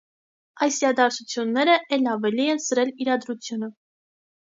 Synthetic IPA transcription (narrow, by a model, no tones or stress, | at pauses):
ɑjsiɾɑd̪ɑɾt͡sʰut͡sʰjunːɛɾəʔɛlɑvɛlijɛnsəɾɛliɾɑd̪ɾut͡sʰjunə